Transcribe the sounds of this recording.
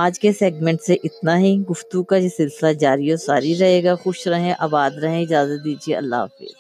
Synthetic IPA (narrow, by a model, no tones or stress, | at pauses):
aːd͡ʒkeseːɡmɛ̃ɳʈseʔɪt̪naɦiɡʊft̪ukajesɪlsɪlad͡ʒaːɾiosaːɾiɾɐɦeːɡaxʊʃɾɐɦẽʔaːbaːd̪ɾɐɦẽɪd͡ʒaːzət̪̚d̪iːd͡ʒieɐ̰lːa̰ːfḭːz